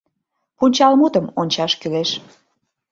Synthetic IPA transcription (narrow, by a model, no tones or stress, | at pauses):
punʲt͡ɕɑlmut̪əmonʲt͡ɕɑʃkyleʃ